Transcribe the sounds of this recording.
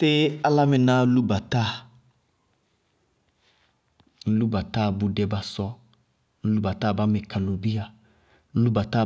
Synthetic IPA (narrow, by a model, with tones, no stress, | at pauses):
tɪ˦a˨la˦mɪ˨nã˦lu˦ba˨ta˦˨˦ | lu˦ba˨ta˦˨bu˨dɛ˨ba˨sɔ˦ | lu˦ba˨ta˦˨ba˦mɪ˨ka˨lo˨bi˦a˨˦ | lu˦ba˨ta˦